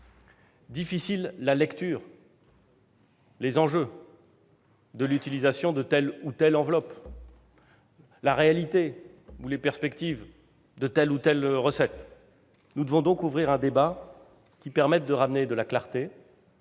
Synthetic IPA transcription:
d̪ifisilːalɛkt̪yːʁ | lezɑ̃ʒø | d̪əlyt̪ilizasjɔ̃d̪ət̪ɛlut̪ɛlɑ̃vlɔp | laʁealit̪eulepɛʁspɛkt̪iv | d̪ət̪ɛlut̪ɛlʁəsɛt̪ | nud̪əvɔ̃d̪ɔ̃kuvʁiʁɛ̃d̪eba | kʲipɛʁmɛt̪̚d̪əʁamned̪əlaklaʁt̪e

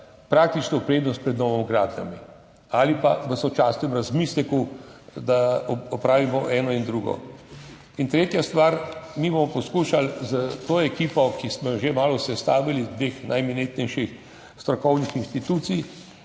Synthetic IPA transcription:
pɾaːk̚t̪it͡ʃnɔpɾeːd̪nɔst̪̚pɾɛd̪nɔːʋɔmɡɾaːd̪nʲa̰mi | aːlipaʋəsɔt͡ʃasnɛmɾazmiːslɛkud̪aɔpɾaːʋimɔʔɛːnɔind̪ɾuɡɔ̰ | int̪ɾeːt̪jast̪ʋaːɾmibomɔpɔskuːʃalzət̪oːɛkiːpɔkismɔjɔʒemaːlɔsɛst̪aːʋilid̪ʋeːxnʔajminet̪nɛjʃix | st̪ɾɔkɔwnixinst̪it̪ut̪sij

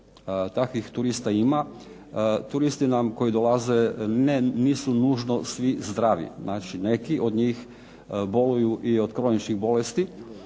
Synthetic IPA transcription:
t̪akʋixt̪uɾist̪aima | t̪uɾist̪inamko̞jid̪olˠaze̞neniːsunuːʒno̞sʋizd̪ɾaːʋḭznʔaːt͡ʃine̞kiʔo̞d̪ɲiːx | bo̞lujuʔiod̪kɾo̞nit͡ʃniɣbo̞lest̪i

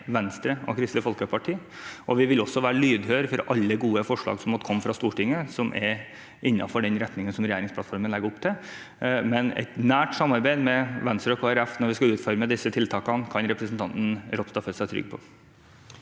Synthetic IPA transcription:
ʋɛnst̪ɾəɔ̰kʰɾɪst̪əfɔlkəpʰɑʈʰiː | ʔɔʋɪʋɪlɔsːɔʋæːɾəlyːd̪høːɾfɔɾʔɑlːəɡuːəfɔʂɭɑ̰ːɡsɔmɔt̪ːkʰɔmːfɾɑst̪uːʈɪŋːəsɔmʔɛ̰ɾ | ʔɪnːɑ̰fɔɖɛnɾɛt̪nɪŋənsɔmɾɛjæːɾɪŋspʰlɑt̪fɔɾmənlɛɡəɾɔpːt̪ʰɪ | mɛnɛ̰t̪næːʈsɑmːɑɾbæɪd̪mɛʋɛnst̪ɾəɔkʰoːæɾɛfnɔɾʋɪskɑʉːt̪fɔɾməd̪ɪsət̪ʰɪlt̪ʰɑːkɑnkʰɑnɾɛpɾəsn̩t̪ɑnt̪n̩ɾɔp̪st̪ɑfœsæɪt̪ʰɾʏ̰ɡ̚pʰɔ̰

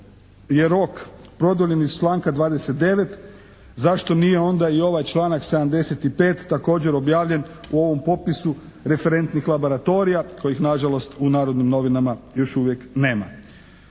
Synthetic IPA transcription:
je̞ɾo̞kpɾo̞d̪oʎe̞nizt͡ʃlˠaːŋkad̪ʋaːd̪eset̪̚d̪e̞ʋe̞t̪ | zaʃt̪o̞nije̞o̞nd̪aio̞ʋajt͡ʃlˠaːnakse̞d̪amd̪e̞set̪ipe̞ːt̪ːako̞ːd͡ʑe̞ɾo̞bjaːʋʎe̞nuo̞ʋo̞mpo̞t̪̚pisu | ɾe̞fe̞ɾe̞nt̪nixlˠabo̞ɾat̪o̞ɾijako̞jixnaʒalo̞st̪unaːɾo̞d̪nimno̞ʋinamajo̞ʃuʋjekne̞ːma

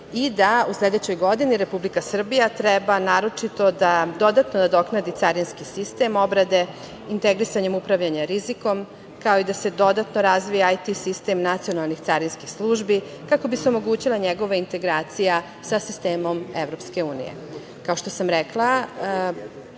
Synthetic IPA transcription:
id̪ausle̞d̪et͡ɕo̞jɡo̞d̪iniɾe̞publikasr̩bijat̪ɾɛbanaːɾo̞t͡ʂit̪o̞d̪ad̪o̞d̪at̪no̞d̪ad̪o̞knad̪it̪aɾinskisist̪e̞mo̞bɾad̪e̞ | int̪eɡɾisaɲe̞mupɾaʋʎaɲaɾiziko̞m | kaoid̪ase̞d̪o̞d̪at̪no̞ɾazʋijaajt̪isist̪e̞mnat̪sio̞nalˠnixt̪saɾinskixslˠuːʒbi | kako̞biseo̞moɡuːt͡ɕilˠaɲeɡo̞ʋaint̪e̞ɡɾaːt̪sija | sasist̪eːmo̞mḛvɾo̞pske̞uːnḭjḛ | kaoʃt̪osamɾeklˠa

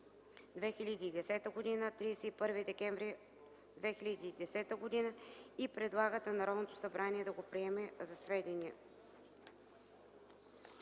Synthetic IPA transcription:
d̪vɛxilʲɐd̪iːd̪ɛsɛt̪əɡod̪inət̪ɾisɛipɤɾvid̪ɛkɛɱvɾi | d̪vɛxilʲɐd̪iːd̪ɛsɛt̪əɡod̪inəipɾɛd̪lˠaɡət̪ənɐɾɔd̪not̪osɐbɾaniɛd̪ɐɡopɾiɛmɛzɐsvɛd̪inʲiɛ̰

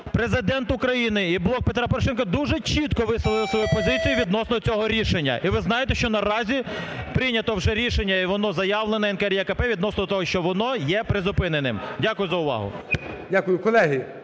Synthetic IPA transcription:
pɾezɪd̪ɛnt̪ʊkɾɐjinɪiblˠɔk̚pet̪ɾɑpɔɾɔʃɛnkɐd̪uʒɛt͡ʃit̪kɔʋɪslˠɔʋɪlˠsʋɔjupɔzɪt͡sʲijuʋʲid̪nɔsnɔt͡sʲɔɦɔɾʲiʃenʲːɐ̰ʔiʋɪznɑjet̪eʃt͡ʃɔnɐɾɑzʲipɾɪnʲɐt̪ɔwʒɛɾʲiʃenʲːɐiʋɔnɔzɐjɑʋlˠenɐɛnkɛɛɾʲjɐkɐpɛʋʲid̪nɔsnɔd̪ɔt̪ɔɦɔʃt͡ʃɔʋɔnɔjɛpɾezʊpɪnenɪmdʲakʊjʊzɐʊʋɑ̰ɦʊ̰dʲakʊjʊkɔlˠɛɦi

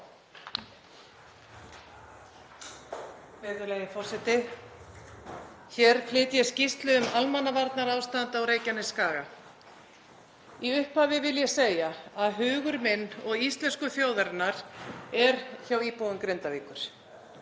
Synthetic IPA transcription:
vɛːðʏɾlejɪfɔr̥sɛt̪ɪ | çɛːɾ̥pʰlɪːt̪jɛscist̪lʏʏmalmanːavaɾt̪naɾaːwst̪ant̪aawɾeːjcanɪskaːɣa | iʏhphaːvɪvɪljɛseːjaaðɦʏːɣʏɾmɪnːɔɣist̪lɛnskʏθjoːwðaɾt̪naɾ̥ɛɾ̥çawiːpowʏmkɾɪnt̪aviːkʏɾ̥

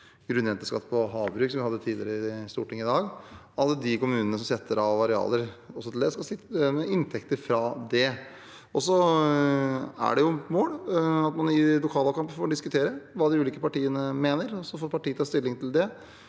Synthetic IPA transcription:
ɡ̥ɾʉnjɛnt̪əʂkɑ̰t̪ːpʰɔɦɑːʋbɾʉːksɔmʋɪhɑd̪ːət̪ʰiːd̪lɪ̰ɾəɪst̪ṵːʈɪŋːɪd̪ɑːɡ | ɑlːəd̪ɪkʊmʉːnənəsɔmsɛt̪ːəɾɑʋɑɾɛɑ̰ːləɾɔsːɔt̪ʰɪld̪ɛskɑsɪt̪ːmɛɪnt̪ʰɛkt̪əɾfɾɑd̪ɛ | ɔsɔ | æ̰ɖɛjʊmoːɽɑt̪mɑnɪlʊkʰɑːlɑkʰɑmpəfoːɾɖ̪ɪskʉt̪ʰeːɾəʋɑːd̪ɪʉːliːkəpɑʈiːənəmeːnəɾɔsɔfoːɾpʰɑʈiːət̪ʰɑːst̪ɪlːɪŋt̪ʰɪld̪ɛ

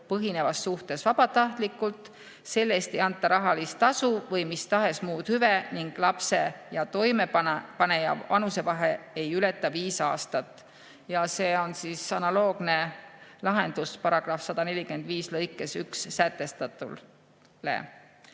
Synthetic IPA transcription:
pɤɦine̞vɑsːuht̪e̞svɑb̥ɑt̪ɑht̪likːˑult̪ˑ | se̞lːeːst̪e̞jɑnt̪ˑːɑɾɑɦɑlist̪ɑsuvɤjmist̪ɑɦe̞smuːd̪̥hyveniŋɡ̥lɑpse̞jɑt̪o̞jme̞pɑne̞jɑ̰vɑnuse̞vɑɦe̞e̞jylet̪ːˑɑviːsɑ̰ːst̪ɑt̪ːˑ | jɑse̞ːo̞nsiːsɑnɑlo̞ːɡ̥ne̞lɑɦe̞nd̪̥uspɑɾɑɡ̥rɑfsɑd̪̥ɑne̞lʲikyend̪viːslɤjkːˑe̞syksːæt̪ːˑe̞st̪ɑt̪ˑṵl | lḛ

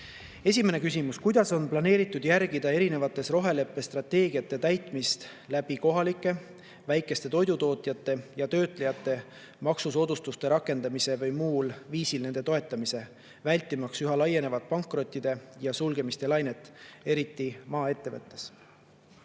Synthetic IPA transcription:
e̞s̬ʲime̞ne̞kysimuskujd̪ɑso̞nplɑne̞ːɾit̪ːˑud̪jæɾɡ̥id̪̥ɑe̞ɾine̞vɑt̪ːˑe̞sro̞ɦe̞le̞pːˑe̞st̪rɑt̪e̞ːɡiɑt̪ːˑe̞t̪æjt̪ˑmist̪ | læb̥iko̞ɦɑlikˑːe̞ | væjkːˑe̞st̪e̞t̪o̞jd̪ut̪o̞ːt̪ˑjɑt̪ˑːe̞jɑt̪ø̞ːt̪ˑle̞jɑt̪ːˑe̞ | mɑksuso̞ːd̪̥ust̪ust̪e̞ɾɑkːˑe̞nd̪ɑmise̞vɤjmuːlviːsilne̞nd̪̥e̞t̪o̞e̞t̪ːˑɑmise̞ | vælʲt̪ːˑimɑksyɦɑlɑjːe̞ne̞vɑt̪̚pɑŋkːˑro̞t̪ʲːˑid̪̥e̞jɑsulɡ̥e̞mist̪e̞lɑjne̞t̪ːˑe̞ɾit̪ːˑimɑːe̞t̪ːe̞vɤt̪ːˑe̞s

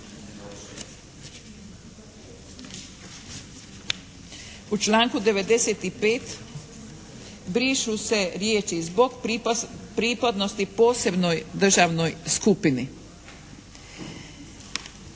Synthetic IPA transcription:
ut͡ʃlaːŋkud̪e̞ʋe̞d̪e̞seːt̪ipeːt̪ | bɾiʃuse̞ɾjeːt͡ʃizbo̞ɡ | pɾipad̪no̞st̪ipo̞ːse̞bno̞jd̪r̩ʒaːʋnojskupini

